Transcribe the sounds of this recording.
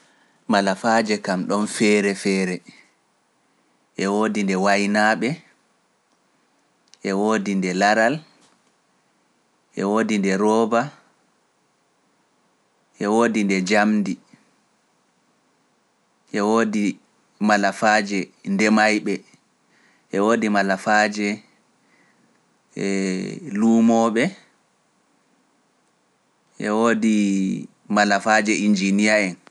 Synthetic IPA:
malafad͡ʒɛkamɗɔnfɛːɾɛfɛːɾɛ | ʔɛwoːdindɛwajnaːɓɛ | ʔɛwoːdindɛlaɾal | ʔɛwoːdindɛɾɔːba | ʔɛwoːdindɛd͡ʒamdi | ʔɛwoːdi | malafaːd͡ʒɛndɛmajɓɛ | ʔɛwoːdimalafaːd͡ʒɛ | luːmɔɓɛ | ʔɛwoːdi | malafaːd͡ʒɛʔind͡ʒinijaɛn

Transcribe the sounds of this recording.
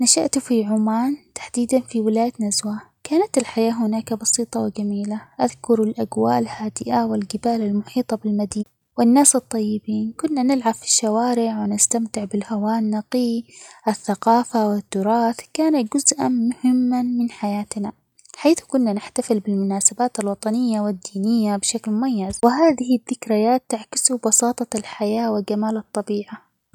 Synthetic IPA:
naʃaʔt̪ufiʕʊmaːnt̪ḁħd̪iːd̪anfiwɪlaːjat̪nazwakaːnat̪ɪlħajaːɦʊnaːkabɑsiːt̪ˤɑwɪd͡ʒamiːlaʔaðkʊɾalʔaɡwa̰ːʔlhaːd̪ɪʔawɪlɡɪbaːlalmʊħiːt̪ˤɑbɪlmad̪iːna | wɪnːaːsɨt̪ˤːɑjːɪbiːnkʊnːanɪlʕabfi̥ʃːawaːɾɪʕwɪnɪst̪amt̪ɪʕbɪlhawaːnːɑqiːʔɪθːaqɑːfawɪt̪ːʊɾˤɑːθkaːnaɡʊzʔa̰nmʊhɪmːanmɪnħajaːt̪na | ħaːθkʊnːanɪħt̪afɪlbɪlmʊnaːsabaːt̪alwɑt̪ˤɑnɪjːawɪd̪ːiːnɪjːabɪʃaklmʊmajːazwɪɦaːðɪhɪðːɪkɾajaːt̪ːaʕkɪ̥subɑsɑːt̪ˤɑlħajaːwɪɡamaːlɨt̪ˤːɑbiːʕa

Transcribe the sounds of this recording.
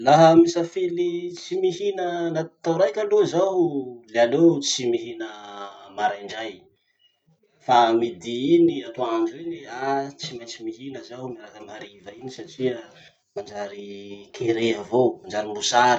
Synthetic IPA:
laɦəmisafelit͡simiɦinənat̪awɾajkalozawlealewt͡simiɦinəmaɾajɳɖ͡ʐaj | famid̪iiniat̪oaɳɖ͡ʐuweniat͡simajt͡simiɦinəzawmaɾakəmaɾivainisaʈ͡ʂiə | mand͡ʒaɾikʰeɾeəvomand͡ʒaɾilusaɾi

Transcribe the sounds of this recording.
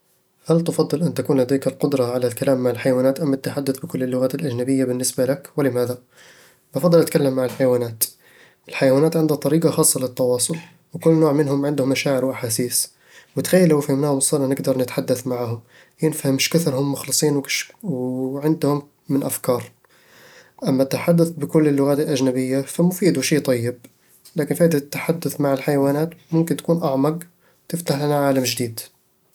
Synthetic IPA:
halt̪ɪfɑd̪ˤːɨlʔɪnt̪akuːnlad̪iːkɪlqʊd̪ɾˤɑʕalalkalaːmːaʕɪlħajawaːnaːt̪ʔamːat̪ːaħad̪ːʊθbɪkʊlːɪlːʊɣaːt̪ɪlʔad͡ʒnabɪjːabɪnːɪsbalakwɪlɪmaːða | bɪfɑd̪ˤɑlʔat̪kalːamːaʕɪlħajawaːnaːt̪ | ʔɪlħajawaːnaːt̪ʕɪnd̪hat̪ˤːɑɾiːqɑxɑːsˤːɑlɪt̪ːɑwɑːsˤʊl | wɪkʊlːnoːʕmɪnhʊmʕɪnd̪hʊmːaʃaːʕɪɾwʔaħaːsiːs | wɪt̪xajːalːawɪfhamnaːhʊmsˤɑːɾɑnɪɡd̪ɑɾˤnɪt̪ħad̪ːaθmaʕahʊm | jɪnfahɪmːɪʃkɪθɾhʊmːʊxlɨsˤiːnwwʕɪnd̪hʊmː | ɪnʔafkɑːɾˤ | ʔamːat̪ɪħad̪ːaθbɪkʊlːɪlːʊɣaːt̪ɪlʔad͡ʒnabɪjːafamʊfiːd̪uʃiːt̪ˤɑjːɪb̚ | laːkɪnfiːʔɪd̪at̪ːaħad̪ːʊθmaʕɪlħajawaːnaːt̪mʊmkɪnt̪ḁkuːnʔaʕmɑɡ | wt̪ɪft̪aħlanaʕaːlamd͡ʒɪd̪iːd̪

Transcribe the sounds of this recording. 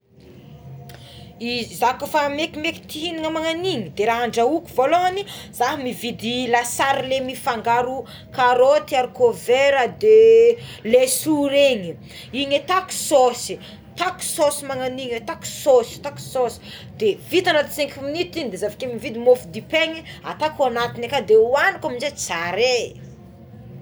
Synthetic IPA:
izakufamekimeki̥t̪iɦiniŋəmaŋaniɲid̪eɾaɦaɳɖ͡ʐaukuvoloaniz̥aɦimivid̪ilasaɾlemifaŋɡaɾu | kaɾot̪iaɾikoveɾəd̪elesuɾeɲi | iɲet̪aku̥sosi | t̪aku̥sosimaŋaniɲet̪aksosi̥t̪aku̥sosi̥ | d̪evit̪anat̪iseŋkuminit̪inid̪ezavakemivid̪imofud̪ipeɲia̰t̪akanat̪inakad̪ewanikaminzet͡saɾe

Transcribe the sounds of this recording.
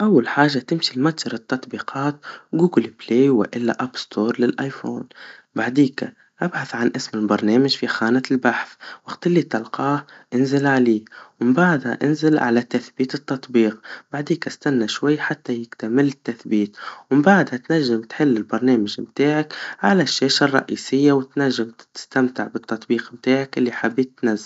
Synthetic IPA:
ʔawːalħaːʒːat̪ɪmʃilmat̪ˤʒɑɾˤɪt̪ːɑt̪ˤbiːqʰɑːt̪̚ɡuːɡɪlbleːwɪ̰ʔɪlːa̰ʔabst̪ʰoːɾˤlɪlʔajfo̰ːnbaʕd̪iːka | ʔabħaθʕanʔɪsmɪlbɑɾˤneːmaʒfixaːnaɪlbaħθwaɡt̪ɪlːit̪ɑlqɑːhʔɪnzɪlʕaliːwmbaʕd̪ha̰ʔɪnzɪlʕa̰lat̪ːaθbiːt̪ɪt̪ːɑt̪ˤbiːqb̥aʕd̪iːkʔast̪anːaʃwajːħat̪ːajɪɡt̪amɪlːɪt̪ːaθbiːt̪wɪmbaʕd̪hat̪naʒːɪmt̪ħɪlːɪlbɑɾˤneːmaʒmt̪aːʕakʕa̰laʃːeːʃarˤːɑ̰ʔḭːsɪjːawɪt̪naʒːamt̪ɪ̥st̪amt̪ɪʕbɪt̪ːɑt̪ˤbiːqmt̪aːʕakʔɪlːiħabːit̪ːnazːal

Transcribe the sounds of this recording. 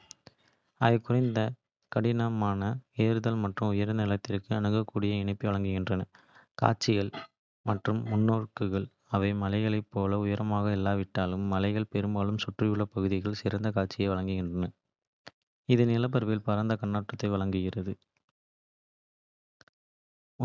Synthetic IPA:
ɐðɐɪkʊrɐɪnd̪ɐ | kɐɽɪnamaːnɐeːɾɯðɐlmɐʈrɯmʊjɐɾɐnnnɪlɐt̪ːɪrkɯɐnɯɣɐkːuːɽɪjɐɪɳɐpːiʋɐɭɐŋɡɯɣɪndrɐnɐ | ka̰ːt͡ʃːɪɣɐɭ | mɐʈrɯmːʊnːoːrkɯɣɐɭ | ɐʋɐɪmɐlɐɪɣɐɭɐɪpːoːlɐʊjɐɾɐmaːɣɐɛlːaːʋɪʈːaːlɯmːɐlɐɪɣɐɭpɛɾɯmbaːlɯmsʊʈrɪjɯɭːɐpɐɣɯðɪɣɐɭsɪɾɐnd̪ɐkaːʈ̚t͡ʃɪjɐɪʋɐɭɐŋɡɯɣɪndrɐnɐ | ɪðɯnɪlɐp̬ːɐɾʋeːlpɐɾɐnd̪ɐkɐɳːaːʈrɐt̪ːɐɪʋɐɭɐŋɡɯɣɪrɐðɯ

